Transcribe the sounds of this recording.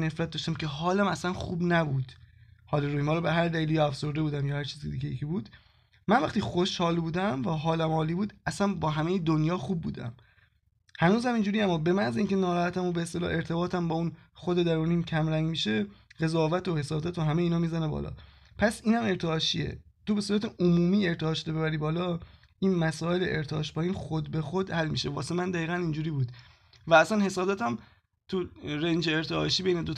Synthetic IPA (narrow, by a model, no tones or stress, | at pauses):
ne̞fɾæt̪̚d̪ɒːʃt̪æmcʰe̞ɦɒːlæmæsænxuːbnæbuːd̪̥hɒːleɾoiːmhɒːlɒːbæɦæɾd̪æliːljɒæfso̞ɾd̪ebuːd̪æmjɒːhæɾt͡ʃʰiːzikʰed̪iːɟejecʰibuːd̪̥ | mænvæχt̪iːxoʃhɒːlbuːd̪æmvæɦɒːlæmhɒːliːbuːd̪æsænbɒːɦæmejed̪onjɒːxub̚ːṵːd̪æ̰m | hænuːzæmiːnd͡ʒuːɾijæmːɒːbe̞mænzeiːŋcenɒːɾɒːhæt̪æmobeest̪e̞lɒ̰ːʔe̞ɾt̪ʰe̞bɒːt̪ʰæmbɒːunxod̪ed̪æɾuniːmcʰæmɾæŋɡmiːʃe̞ɣ̥e̞zɒːvæt̪ohe̞sɒːd̪æt̪ʰoɦæmeiːnɒːmiːzænebɒ̰ːlɒ̰ | pʰæsiːnhæme̞ɾt̪ʰeɒːʃiḛ | t̪ʰobe̞suːɾæt̪eʔomuːmiːe̞ɾt̪ʰehɒːʃod̪ebeæɾiːbɒːlɒː | ʔiːnmæsɒːe̞leʔeɾt̪ʰɒ̰ːʃbɒːiːnxod̪be̞xod̪hælmḭːʃevɒːsemænd̪æiːɣænind͡ʒuːɾiːbuːd̪ | vææsænhe̞sɒːd̪æːt̪ʰæm | t̪ʰuɾend͡ʒeːɾt̪ʰeɒ̰ːʃiːbe̞jned̪o